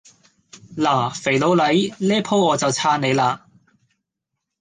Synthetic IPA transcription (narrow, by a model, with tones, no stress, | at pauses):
laː˨˩fe˨˩lo˨˧wlɐ˨˥jlɛː˥pʰo˥wɔː˨˧t͡sɐ˨wt͡sʰaː˥ne˨˧jlaː˧